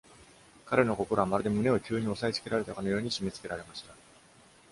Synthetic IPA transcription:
kaɾe̞no̞ko̞ko̞ɾo̞amaɾɯd̪e̞mɯ̟ne̞o̞kʲɨːɲ̟io̞sait͡sɨ̥ke̞ɾaɾe̞t̪akano̞jo̞ːɲ̟iɕime̞t͡sɨ̥ke̞ɾaɾe̞maɕi̥t̪a

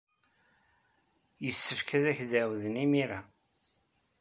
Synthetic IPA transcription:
jəsːəfkʰæðæçðæwðənimiɾæ

